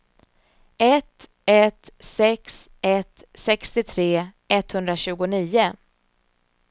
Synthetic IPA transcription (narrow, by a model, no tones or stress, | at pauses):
ʔɛt̪ | ɛt̪sɛks | ɛt̪sɛkst̪ɪt̪ʰɾeː | ɛt̪ːhɵnd̪ɾaɕʉ̟ːɡʊniːʊ